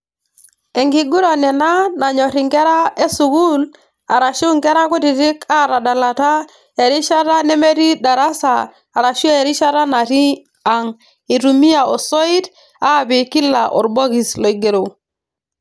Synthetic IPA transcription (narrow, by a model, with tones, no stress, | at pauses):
e˨ŋɡi˨ɡu˦ɾa˨nɛ˨na˦na˨ɲɔ˨ɾi˨ŋkɛ˦ɾa˦e˦su˨ku˦l | a˨ɾa˨ʃu˦ŋkɛ˦ɾa˦ku˦ti˨ti˦kʰa˦˨ɾa˨da˨la˨ta˦ | e˨ɾi˦ʃa˦ta˦nɛ˦me˦ɾi˦da˨ɾa˦sa̰ː˨ | ɾa˨ʃe˨ɾi˦ʃa˦ɾa˦na˨ti˦ | a˨ŋ | i˨ɾu˨mi˦a˨o˨sɔ˦i˦t | a˦˨bi˨ki˦la̰˨ʔɔ̰˨ɾbɔ˦ki˨slo˨i˨ɡe˨ɾo˨